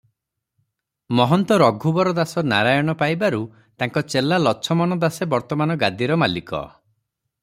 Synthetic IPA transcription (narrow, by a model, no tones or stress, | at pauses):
mɔɦɔnt̪ɔɾɔɡʱubɔɾɔd̪asɔnaɾajɔɽ̃ɔpajbaɾu | t̪aŋkɔt͡ʃelalɔt͡ʃʰɔmɔnɔd̪asebɔɾt̪ɔmanɔɡad̪iɾɔmalikɔ̰